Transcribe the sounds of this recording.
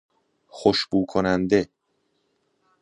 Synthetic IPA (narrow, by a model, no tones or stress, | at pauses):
xoʃb̥uːkʰonænd̪e